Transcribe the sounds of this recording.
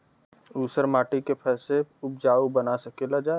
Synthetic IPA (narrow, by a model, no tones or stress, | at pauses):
uːsəɾmaːʈikepʰɛːseʊp̚d͡ʒaːubɐnasɐkelad͡ʒae